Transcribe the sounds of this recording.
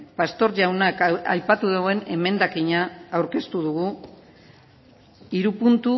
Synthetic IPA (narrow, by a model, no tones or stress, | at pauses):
past̪o̞ɾʝawnaka̰jpat̪uðeɣoe̞ne̞me̞nd̪akiɲaːwɾke̞st̪uð̞uɣu | iɾupunt̪u